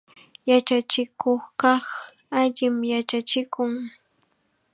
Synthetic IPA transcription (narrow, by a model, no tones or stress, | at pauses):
jat͡ʃat͡ʃɪkoχkɑχ | aʎɪmjat͡ʃat͡ʃɪkʊŋ